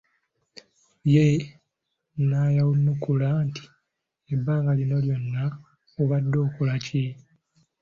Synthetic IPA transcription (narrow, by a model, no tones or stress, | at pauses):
je | naːjawunːukulanti̥ | ebːaːŋɡalino̞ljo̞nːa | oβadːo̞ːkulace